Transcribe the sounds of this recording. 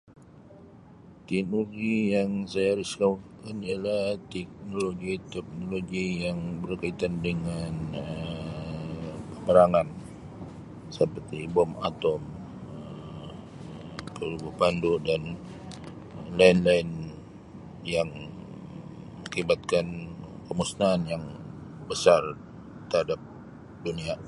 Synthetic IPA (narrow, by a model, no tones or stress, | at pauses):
t̪inuɡijaŋsajaɾuskawukanialaht̪ɛk̚noloɡit̪ɛk̚noloɡijaŋbərkait̪andəŋanə | pəməɾaŋan | səpərt̪ibɔma̰t̪ɔm | ə | kəlubuhpandodan | laɪnlaɪn | jaŋ | məŋibat̪̚kankəmusnaːnjaŋbəsar | t̪ərhadap̚ | dunia